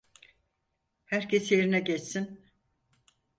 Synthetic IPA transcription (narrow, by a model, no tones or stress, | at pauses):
hæɾcʰesjeɾinɛɟɛt͡ʃsin